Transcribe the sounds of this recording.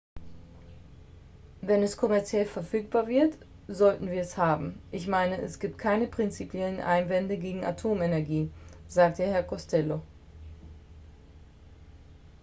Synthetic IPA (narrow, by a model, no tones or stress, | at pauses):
vɛnɛskʰɔmɛɐt͡sjɛlfɛɐfyːk̚b̥aːɐvɪɐt | zɔltn̩viːɐɛshaːbm̩ʔɪçmaɪnəʔɛsɡ̥iːp̚t̚kʰaɪnəpʁ̥ɪnt͡sipjɛlənʔa̰ɪnvɛndəɡeːɡŋ̩ʔa̰tʰoːmenɛɐɡiːnzaːk̚təhɛɐkʰɔstʰɛlo